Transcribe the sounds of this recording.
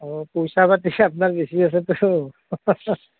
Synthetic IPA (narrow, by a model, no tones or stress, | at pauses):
ɔpojsabat̪iapnaɹbesias̬ɛt̪ʊ